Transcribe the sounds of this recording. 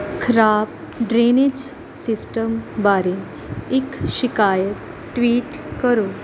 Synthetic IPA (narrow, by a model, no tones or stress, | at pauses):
kʰɾaːp̚ | ɖɾenid͡ʒ | sisʈəmbaɾe | ikʃikaːjət̪ | ʈʋiːʈkəɾoː